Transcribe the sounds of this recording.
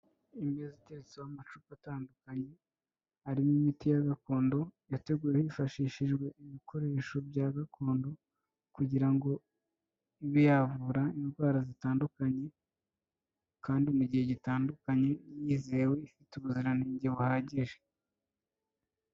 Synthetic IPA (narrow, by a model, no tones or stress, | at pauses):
imeziteɾet͡sewamat͡ʃuːpataːndukaɲe̞ | haɾinimitijaɡako̞ːndo̞jate̞ɡuːɾehifaʃiːʃiʒɡwe̞iβikʰo̞ɾe̞ːʃo̞bjaɡakʰo̞ːndo̞ | kuɟiɾaŋɡo̞ | iβijavuɾainɡwaːɾazitaːndukaɲe̞ | kʰaːndimuɟihe̞ɟitaːndukaɲe̞jiːzewe̞ifituβuziɾaniːɲɟeβuhaːɟeʒe